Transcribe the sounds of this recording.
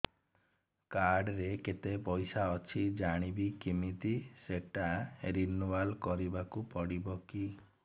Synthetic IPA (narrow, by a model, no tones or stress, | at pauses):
kaɾɖɾeket̪epɔjsaɔt͡ʃʰid͡ʒaɽ̃ibikimit̪iseʈaɾinubalkɔɾibakupɔɽibɔki